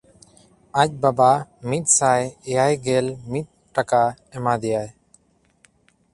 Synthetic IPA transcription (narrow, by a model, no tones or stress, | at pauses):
ac̚ˀbabamit̪̚ˀsajɛjajɡɛlmit̪̚ʈaka | ɛmad̪ɛjaj